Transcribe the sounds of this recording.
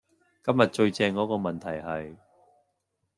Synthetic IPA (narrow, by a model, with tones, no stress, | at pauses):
kɐ˥mjɐ˨t̚t͡ʃɵ˧ɥt͡sɛː˧ŋkɔː˨˥kɔː˧mɐ˨˩nt̪ʰɐ˨˩jhɐ˨j